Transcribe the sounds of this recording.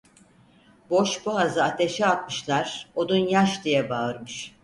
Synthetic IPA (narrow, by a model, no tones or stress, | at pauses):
boʃbuazɯat̪ʰe̞ʃɛat̪̚mɯʃlˠaɾ̥o̞d̪unjaʃd̪ijɛbaɯɾmɯʃ